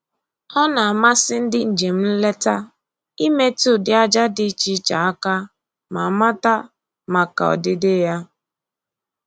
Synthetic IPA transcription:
ɔ˦na˨a˨ma˦sɪ˦n̩˦dɪ˦n̩˨d͡ʒe˨m̩˦n̩˦le˦ta˦ | i˦me˦tu˦˨dɪ˨a˦d͡ʒa˦dɪ˦t͡ʃi˦t͡ʃa˨a˦ka˦ | ma˨ma˦ta˦ | ma˨ka̰˨ɔ̰˨dɪ˦dɪ˦ja˦

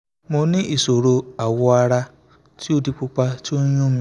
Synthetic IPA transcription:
mo˧nĩ˦ʔi˨so˨ɾo˧a˨wɔ˧a˧ɾa˧ | ti˦o˦di˦k͡pu˦k͡pa˦ti˦o˦ɲũ˦mĩ˧

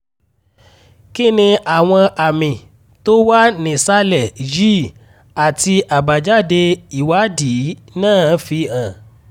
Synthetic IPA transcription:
ki˦˨nĩ˧a˨w̃ɔ̃˧ʔa˨mĩ˨ | to˦wa˦nĩ˨sa˦lɛ˦˨d͡ʒi˦˨ | a˨ti˧ʔa˨ba˨d͡ʒa˦de˧i˨wa˨˦di˨˦nãː˦˨˦fi˧ã˨

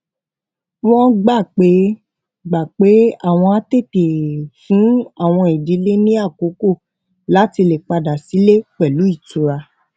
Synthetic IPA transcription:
w̃ɔ̃˦ɡ͡ba˦˨k͡pe˨˦ | ɡ͡ba˨k͡pe˨˦a˦˨w̃ɔ̃˧a˦te˦˨te˨fũ˨˦a˦˨w̃ɔ̃˧i˨di˨˦le˦nĩ˦a˦˨ko˨˦ko˦˨ | la˨˦ti˧le˨k͡pa˧da˨si˨˦le˦k͡pɛ˨lu˨˦i˦˨tu˨ɾa˧

